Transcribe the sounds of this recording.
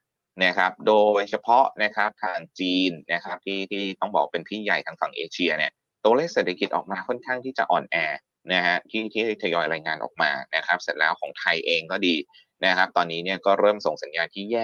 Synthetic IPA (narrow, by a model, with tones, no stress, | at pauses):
na˦˥kʰɾa˦˥p̚doː˧jt͡ɕʰa˧pʰɔ˦˥ʔna˦˥kʰɾa˦˥p̚t̪ʰaː˧˩ŋt͡ɕiː˧nːa˦˥kʰa˦˥p̚t̪ʰiː˥˩t̪ʰiː˥˩t̪ɔ˥˩ŋbɔː˨˩kwaː˥pe˧np̪ʰiː˥˩ja˨˩jt̪ʰaː˦˥ŋfa̰˩ŋʔeː˧t͡ɕʰi˧ɐni˦˥˩ɐ | t̪u˧ɐleː˥˩k̚se˨˩t̪ʰa˧ki˨˩t̪ʔɔː˨˩k̚maː˧kʰɔ˥˩nkʰaː˥˩ŋt̪ʰiː˥˩t͡ɕa̰˨˩ʔɔ̰ː˨˩nʔɛː˧ | na˦˥ɦa˦˥t̪ʰiː˥˩t̪ʰiː˥˩˦t̪ʰa˧jɔː˧jɾaː˧jŋaː˧nʔɔ̰˨˩ma̰ː˧na˦˥kʰa˦˥p̚se˨˩˦nlɛː˦˥wkʰɔː˩˦ŋt̪ʰa˧jʔeː˧ŋkɔː˥˩diː˧ | na˦˥kʰa˦˥p̚t̪ɔː˧nːiː˦˥ni˥˩ɐkɔː˥˩ɾɤː˥˩mso˨˩ŋsa˩˦njaː˧nt̪ʰiː˥˩jɛː˥˩k̚